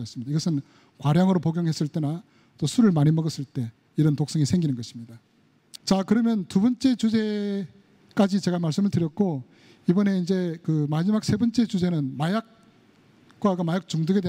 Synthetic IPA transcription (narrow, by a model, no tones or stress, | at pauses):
ʌs͈ɯmɲidaiɡʌsʰɯn | kwaɾjaŋɯɾopoɡjoŋɦe̞s͈ɯɭt͈e̞na | t͈osʰuɾɯɭmaɲimʌɡʌs͈ɯɭt͈e̞ | iɾʌntok̚s͈ʌŋisʰe̞ŋɡinɯnɡʌɕʰimɲida | t͡ɕakɯɾʌmjʌntubʌnt͡ɕ͈e̞t͡ɕud͡ʑe̞ | k͈ad͡ʑit͡ɕe̞ɡamaɭs͈ɯmɯɭtɯɾjʌt̚k͈o | ibʌne̞ind͡ʑe̞kɯmad͡ʑimak̚sʰe̞bʌnt͡ɕ͈e̞t͡ɕud͡ʑe̞nɯnmajak̚ | k͈wakamajak̚t͡ɕuŋdɯɡede